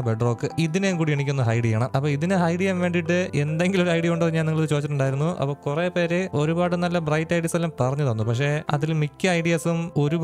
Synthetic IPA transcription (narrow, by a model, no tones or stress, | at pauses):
beɖro̞ːkːɨiðineŋkuːɽieɳikʲːunːɦɐjɖijaːɳɐmʔɐpːoːiðinɨhɐjɖijɐmʋe̞ːɳɖiʈːɨʔe̞nd̪e̞ŋɡilo̞ɾuɐjɽijɐuɳɖɨpɐrɲaːniŋːɐɭoðɨt͡ɕo̞ːt͡ɕːiʈːuɳɖaːjiɾunːuʔɐ̰pːoːkureːpe̞ːɾeʔo̞ɾubaːɽɨnɐlːɐbrɐjtːɐjɖiɐselːampɐrɐɲːɐðonːupɐkʂe̞ɐ̰ðilmikʲːɨɐjɖijɐsumo̞ɾub